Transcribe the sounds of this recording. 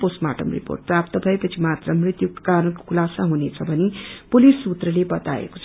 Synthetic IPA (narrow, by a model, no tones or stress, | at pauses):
posma̰ʈʌmrḭpo̰rʈ̚prap̚t̪ʌbʱʌepʌt͡sʰimat̪rʌmrit̪juk̪̚kaɾənko̥kʰulasaɦunet͡sʰʌbʱʌnepulisːut̪rʌlebʌt̪a̰ḛko̥t͡sʰ